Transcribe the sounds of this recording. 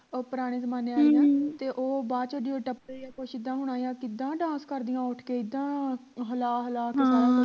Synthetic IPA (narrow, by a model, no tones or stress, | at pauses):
pʊɾaːɽ̃eːzəmaːneːaːiãːt̪eːʔoːbaːt͡ʃəɖiːoːʈəpejaːpʊʃɪd̪ːãːɦʊɽ̃aːjãːkɪd̪ːãːɖãːskəɾd̪ijãːʊʈʰkeːɪd̪ːãːɦəlaːɦəlaːkɪsaːɾãː